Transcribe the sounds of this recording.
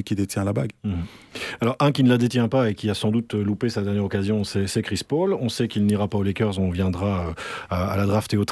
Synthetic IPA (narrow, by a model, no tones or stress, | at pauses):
kʲid̪et̪jɛ̃labaɡ̩ | alɔʁɛ̃kʲinəlad̪et̪jɛ̃paekʲiasɑ̃d̪ut̪ølupesad̪ɛʁnjɛʁɔkazjɔ̃sɛsɛkχispolɔ̃sɛkilniʁapaolekʲœʁzɔ̃vjɛ̃d̪ʁaøa̰ːlad̪ʁaft̪eot̪